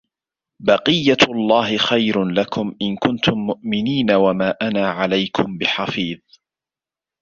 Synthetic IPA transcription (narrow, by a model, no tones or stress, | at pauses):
bɑqɨjːaɑlˤːɑːɦɪxajɾʊlakʊmʔɪnkʊnt̪ʊmːʊʔmɪniːnawamaːʔanaːʕalajkʰʊmbɪħɑfiːðˤ